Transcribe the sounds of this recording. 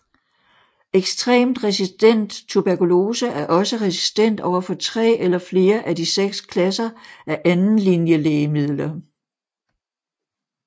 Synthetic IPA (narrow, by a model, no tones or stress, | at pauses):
eɡ̥sd̥ʁɛ̰ːmd̥ʁɛsisd̥en̰d̥t͡sʰub̥æɐkulo̝ːsəʔæɐʔɒ̽səʁɛsi̥sd̥en̰d̥ɒʊ̰ɐfɒ̽t͡sʰʁɛ̰ːʔelɐfle̝ːɐʔædiseɡ̥skʰlæsɐʔæɐʔænn̩linjəleːɪmið̞̰ˠlɐ